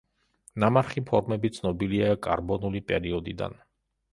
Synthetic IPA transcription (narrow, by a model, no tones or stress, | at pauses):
namaɾχipʰɔɾmɛbit̪sʰnɔbiliakʼaɾbɔnulipʼɛɾiɔd̪id̪a̰n